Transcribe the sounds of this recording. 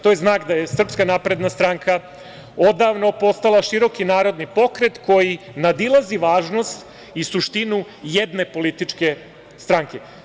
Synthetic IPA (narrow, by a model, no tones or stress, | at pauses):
t̪o̞jeznaːkd̪ajesr̩pskanaːpɾe̞d̪nast̪ɾaŋkʰa | o̞d̪aʋno̞po̞st̪alaʃiɾo̞kinaːɾo̞d̪nipo̞kɾe̞t̪ko̞jinad̪ilˠaziʋaːʒno̞st̪ | isuʃt̪inu | jed̪ne̞po̞lit̪it͡ʃke̞ | st̪ɾaŋke̞